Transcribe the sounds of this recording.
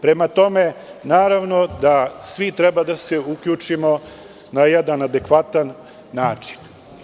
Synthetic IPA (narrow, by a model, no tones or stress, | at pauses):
pɾe̞mat̪o̞menaːɾaʋnod̪asʋit̪ɾɛbad̪aseukʎʲut͡ʂimo̞ | najɛd̪anad̪ekʋat̪anː | aːt͡ʂi̥n